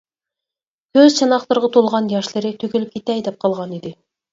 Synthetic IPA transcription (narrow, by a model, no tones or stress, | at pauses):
kʲʰøzt͡ʃʰɑnɑχlˠəɾʁɑt̪ʰolˠʁɑnjɑʃlˠɨɾɪt̪ʰøkʲylyp̚kʲʰet̪ɛjd̪ɛp̚qʰɑlˠʁɑnid̪ɪ